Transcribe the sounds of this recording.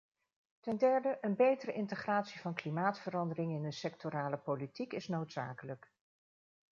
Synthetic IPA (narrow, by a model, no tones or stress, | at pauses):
tɛndɛɹdəʔənbejtərəʔɪntəχraːtsivɑnklimaːtfərɑndərɪŋɪndəsɛk̚toɾaːləpolitikɪsnowtsa̰ːkələk